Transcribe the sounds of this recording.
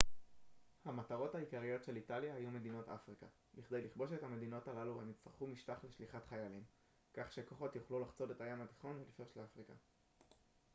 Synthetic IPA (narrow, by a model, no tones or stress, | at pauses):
hamataʁo̞thaikaʁijo̞tʃe̞litaljahajume̞d̪ino̞ta̰fʁika̰ | biχd̪e̞jliχbo̞ʃe̞thame̞d̪ino̞talaluhe̞mit͡sʁaχumiʃtaχleʃliχatχajalim | kaχʃe̞ko̞χo̞tjuχlulaχt͡so̞detajamhat̪i̥χo̞nvelifoʃleafʁika̰